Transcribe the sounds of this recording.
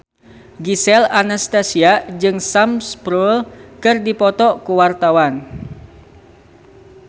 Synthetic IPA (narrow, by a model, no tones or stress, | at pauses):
ɡisɛlanast̪asiad͡ʒɨŋsamspɾulkɨrdipɔt̪ɔkuwart̪awan